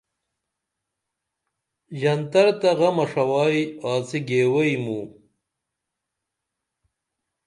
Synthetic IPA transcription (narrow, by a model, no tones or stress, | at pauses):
ʑɐnt̪ɐɾt̪ɐɣɐmɐʂɐwɑːjaːt͡siɡeːwɐjmu